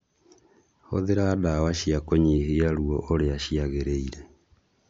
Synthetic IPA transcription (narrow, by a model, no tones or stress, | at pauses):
ho̰ðeɾaːdawaʃiakɔɲeheaɾuɔ̰ʔoɾeaʃiaɣeɾeiɾɛ